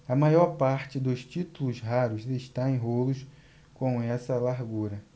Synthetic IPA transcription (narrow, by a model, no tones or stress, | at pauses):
ɐmajɔɾpaɾt͡ʃɪd̪ʊst͡ʃit̪ulʊsɦaɾʊzeʃt̪aẽj̃ɦolʊs | kõw̃ɛsɐlaɾɡuɾɐ